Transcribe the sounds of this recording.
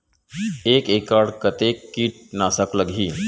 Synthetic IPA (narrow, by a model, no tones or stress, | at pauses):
ekekaɽkət̪ekːiʈ̚nasəkləɡʱi